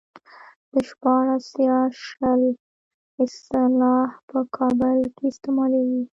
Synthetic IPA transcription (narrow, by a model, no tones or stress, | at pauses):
d̪̥əʃpɑɾasjɑʃəl | ɪst̪ɪlɑhpəkʰɑbɪlkeɪst̪ɪmɑlawi